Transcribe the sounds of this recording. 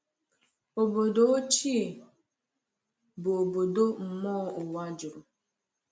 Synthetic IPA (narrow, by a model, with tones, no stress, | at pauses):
o˨bo˨do˦o˦t͡ʃi˦˨ | bo˨o˨bo˨do˦m̩˨mɔː˦o˨wa˦d͡ʒʊ˨ɾʊ˨